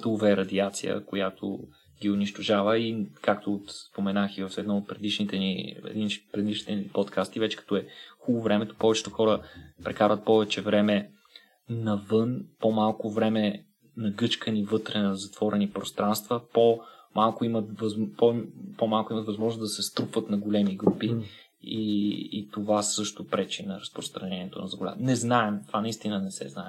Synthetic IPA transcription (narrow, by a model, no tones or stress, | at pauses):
t̪əʊvɛɾɐd̪iat̪sḭjə̰kojat̪ʰo̰ | ɡiʊniʃt̪oʒavəikakt̪osspomɛnaxivɐfɛd̪nɔot̪̚pɾɛd̪iʃnit̪ɛnḭɛ̰d̪inpɾɛd̪iʃnit̪ɛnipɔt̪kʰast̪ivɛt͡ʃɛ̥kɐ̥t̪ɔɛxulˠovɾɛmɛt̪o̥pɔvɛt͡ʃɛ̥t̪oʊxɔɾəpɾɛkaɾvət̪̚pɔvɛt͡ʃɛvɾɛmɛ | nɐvɤnpomalˠkovɾɛmɛ | nɐɡɤt͡ʃkənivɤt̪ɾɛnɐzɐt̪v̥ɔɾɛnipɾost̪ɾanst̪vəpomalˠkʊimət̪vɐzpopomalˠkʊimət̪vɐzmɔʒnoszd̪ɐsɛst̪ɾupvət̪nɐɡolɛmiɡɾupi | ḭːt̪ovasɤʃt̪opɾɛt͡ʃinɐɾɐspɾost̪ɾɐnɛniɛt̪o̰nɐzɐɡolʲa̰nɛznaɛmt̪ovanɐist̪inənɛsɛ̰znaɛ